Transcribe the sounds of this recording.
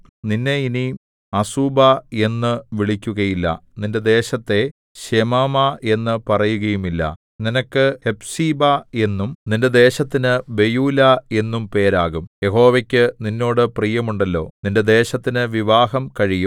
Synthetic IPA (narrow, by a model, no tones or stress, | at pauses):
ninːe̞ini | ɐsuːbae̞nːɨʋiɭikʲːuɣɐjilːɐ̰ninde̞d̪e̞ːɕɐt̪ːe̞ | ɕemaːmae̞nːɨpɐrɐjuɣɐjumilːɐ̰ | ninɐkːɨhe̞bsiːbae̞nːumninde̞d̪e̞ːɕɐt̪ːinɨbe̞juːlɐe̞nːumpe̞ːɾaːɣumje̞ɦo̞ːʋɐkʲːɨninːo̞ːɽɨprijɐmuɳɖɐlːo̞̰ːninde̞d̪e̞ːɕɐt̪ːinɨʋiʋaːɦɐmkɐɻijum